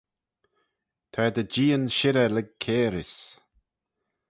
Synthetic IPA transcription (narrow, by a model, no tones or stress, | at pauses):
t̪ʰad̪əd͡ʒiːənʃɪɾəlɛɡ̚kʰeːɾɪs